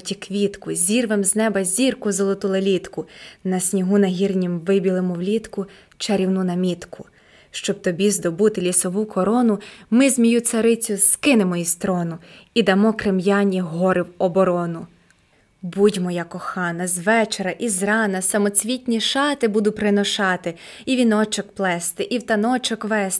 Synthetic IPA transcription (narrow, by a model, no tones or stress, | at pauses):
tʲikʋʲit̪kʊzʲirʋemznɛbɐzʲirkʊzɔlˠɔt̪ulˠɐlʲit̪kʊnɐsʲnʲiɦunɐɦʲirnʲimʋɪbʲilˠɪmɔwlʲit̪kʊ | t͡ʃɐɾʲiwnunɐmʲit̪kʰʊ | ʃt͡ʃɔb̥̚t̪ɔbʲizd̪ɔbut̪ɪlʲisɔʋukɔɾɔnʊmɪzʲmʲijusɐɾɪt͡sʲʊz̥kɪnemɔist̪ɾɔnʊid̪ɐmɔkɾɪmjɑnʲiɦɔɾʔɪwɔbɔɾɔnʊ | budʲmɔjakɔxɑnɐzʋɛt͡ʃeɾɐʔizrɑnɐsɐmɔt͡sʲʋʲitʲnʲiʃɑt̪ɪbud̪ʊpɾɪnɔʃɑt̪ɪ | iʋʲinɔt͡ʃɔkplˠɛst̪ɪʔiwt̪ɐnɔt͡ʃɔkʋɛs